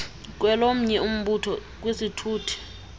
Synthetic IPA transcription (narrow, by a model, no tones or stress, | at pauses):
k̬wɛlom̩ɲɛum̩ɓutʰɔk̬wesitʰuːtʰi̥